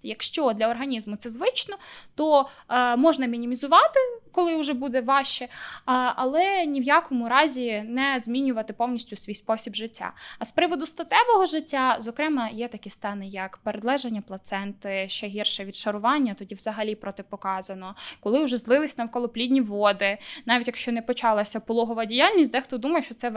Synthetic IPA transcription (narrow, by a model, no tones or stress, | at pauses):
jɐkʃt͡ʃɔd̪lʲɐɔrɦɐnʲizmʊt̪sɛzʋɪt͡ʃnɔt̪ɔmɔʒnɐmʲinʲimʲizʊʋɑt̪ɪkɔlˠɪʊʒɛbud̪ɛʋɑʃt͡ʃɛ | ɐlˠɛnʲiwjakɔmʊɾɑzʲinɛzmʲinʲʊʋɐt̪ɪpɔwnʲisʲtʲʊsʲʋʲijspɔsʲibʒɪtʲːa̰ɐspɾɪʋɔd̪ʊst̪ɐt̪ɛʋɔɦɔʒɪtʲːazɔkɾɛmɐjɛt̪ɐkʲist̪ɑnɪjɐkpeɾed̪lˠɛʒenʲːɐplˠɐt̪sɛnt̪ɪʃt͡ʃɛɦʲirʃɛʋʲid̪ʃɐɾʊʋɑnʲːɐt̪ɔdʲiʋz̥ɐɦɐlʲipɾɔt̪ɪpɔkɑzɐnɔkɔlˠɪʊʒɛzlˠɪlˠɪsʲnɐwkɔlˠɔplʲidʲnʲiʋɔd̪ɪnɑʋʲitʲjɐkʃt͡ʃɔnɛpɔt͡ʃɑlˠɐsʲɐpɔlˠɔɦɔʋɐdʲijalʲnʲisʲt̚ʲd̪ɛxt̪ɔd̪umɐjɛʃt͡ʃɔt̪sɛ